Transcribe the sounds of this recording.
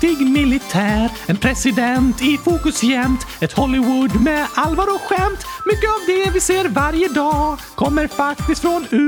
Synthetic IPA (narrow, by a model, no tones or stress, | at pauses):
t̪ɪɡmɪlɪt̪ʰæːɾɛnpʰɾɛsɪd̪ɛnt̪ɪfuːkɵsjɛmt̪ɛt̪hɔlːɪwʊd̪mɛalvɑːɾɔɧɛmt̪ | mʏkːəavd̪ɛvɪseːɾvaɾjəd̪ɑːkʰɔmːəɾfakt̪ɪst̪fɾɔnʉ